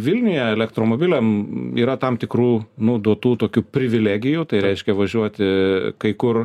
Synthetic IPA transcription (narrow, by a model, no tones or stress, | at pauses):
ʋʲɪlʲnʲɪjɛɛlʲɛkt̪ɾoːmoːbʲɪlʲɛmḭːɾɐt̪ɐmt̪ʲɪkɾuːnʊd̪uɔt̪uːt̪oːkʲuːpʲɾʲɪʋʲɪlʲæːɡʲɪjuːt̪ɐɪɾʲɛɪʃʲkʲɛʋɐʒʲuɔt̪ʲkɐɪkʊr